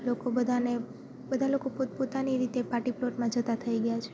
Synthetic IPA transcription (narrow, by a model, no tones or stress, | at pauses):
lokobəd̪ʱane | bəd̪ʱalokopopot̪aniɾit̪epaʈiploʈmãd͡ʒət̪at̪ʰəiɡəjat͡ʃʰe̥